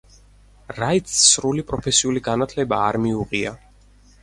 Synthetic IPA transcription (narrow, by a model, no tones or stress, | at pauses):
ɾait̪ssɾulipʼɾɔpʰɛsiuliɡanat̪ʰlɛbaːɾmiuʁia